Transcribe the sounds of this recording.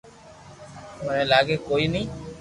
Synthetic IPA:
mənẽːlaːɡeːkoːiːnĩː

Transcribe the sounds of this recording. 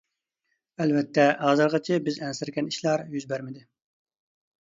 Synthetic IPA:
ɛlvɛt̪ʰːɛɑːzɨɾʁɑt͡ʃʰɪbɪzɛnsɪɾɡʲɛniʃlˠɑɾjyzbæɾmɪd̪ɪ

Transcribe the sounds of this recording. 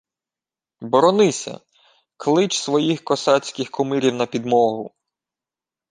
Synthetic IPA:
bɔɾɔnɪsʲɐ̰ | klˠɪt͡ʃsʋɔjixkɔsɑt͡sʲkɪxkɔmɪɾʲiwnɐpʲid̪mɔɦʊ

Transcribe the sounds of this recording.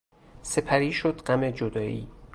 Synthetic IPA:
se̞pʰæɾiːʃod̪ɢæmed͡ʒod̪ɒːʔḭː

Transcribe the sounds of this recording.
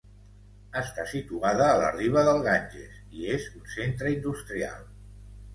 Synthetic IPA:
əst̪asit̪uaðəːlə̰riβ̞əðəlˠɣanʲʒḛsiezunsent̪ɾəind̪ust̪ɾia̰lˠ

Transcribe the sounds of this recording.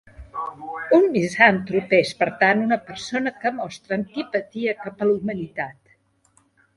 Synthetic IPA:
unmizamt̪ɾupespəɾt̪anunəpəɾsonəkəmɔst̪ɾəːnt̪ipət̪iəkapəlumənit̪at̪

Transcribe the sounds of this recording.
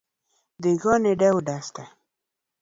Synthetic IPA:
d̪eɡɑneɖawɖast̪a

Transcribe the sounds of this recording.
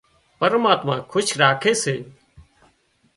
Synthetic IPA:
pəɾmaːt̪mãːkʰʊʃɾaːkʰeːseː

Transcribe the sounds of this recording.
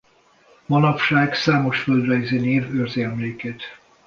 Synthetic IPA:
mɒnɒpʃaːɡsaːmo̞ʃføld̪rɛjzeːneːvørzeɛmleːkeːt̪

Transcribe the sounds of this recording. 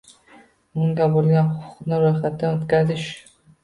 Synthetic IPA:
ʊŋɡʲabolɡʲanχʊʊqnɪɾojχat̪d̪anot̪kʲazɪʃ

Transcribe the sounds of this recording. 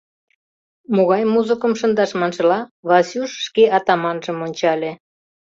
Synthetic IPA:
moɣɑjmuzəkə̆mʃə̆nd̪ɑʃmɑnʃɤ̆lɑβɑsʲuʃːkeɑt̪ɑmɑnʒə̆monʲt͡ɕɑlʲe

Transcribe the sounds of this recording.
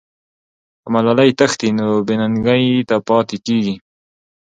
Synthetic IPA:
amalalajt̪axt̪inobɪnaŋɡajt̪apɑt̪ekeɡi

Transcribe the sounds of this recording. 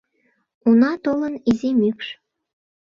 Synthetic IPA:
unɑt̪olənizemykʃ

